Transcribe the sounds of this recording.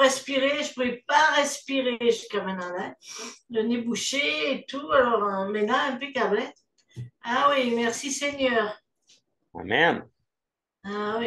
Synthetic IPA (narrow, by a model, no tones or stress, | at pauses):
ʁɛspiʁeʒəpuʁɛpaʁɛspiʁeʒyskamɛ̃nɑ̃lɛd̪ɔnebuʃeːt̪ualɔʁəmɛnãɛ̃pøkablɛt̪ | awimɛʁsiseɲœːʁ | a̰mɛm | awi